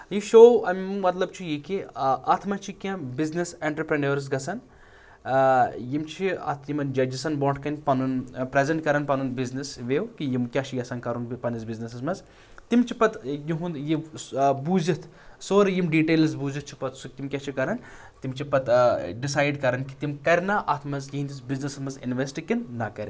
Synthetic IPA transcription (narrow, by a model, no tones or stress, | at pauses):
jiʃoːɐmmɐt̪lɐb̚t͡ʃʰijikiɐt̪ʰmɐt͡ʃʰikʲãbizniseːɳʈɾɐpɾɐnɐːɾs̬ɡɐsɐn | jimt͡ʃʰiɐ̰t̪ʰjimɐnd͡ʒɐd͡ʒisɐnboːʈkɐnʲpɐnunpɾezeɳʈkɐɾɐnpɐnunbiznisʋeːwkijimkʲat͡ʃʰijɐsɐnkɐɾunpɐnizbiznɐsɐzmɐz | t̪imt͡ʃʰipɐt̪jiɦũnjibuːzit̪ʰsoːɾjimɖiːʈeːls̬buːzit̪̚t͡ʃʰi̥pɐt̪sukt̪imkʲat͡ʃʰikɐɾɐn | t̪imt͡ʃʰipɐt̪ɖisaːjɖkɐɾɐnki̥t̪imkɐɾʲnaʔɐt̪ʰmɐzjiɦind̪isbiznɐsɐmɐzinʋesʈikinnɐkɐɾʲin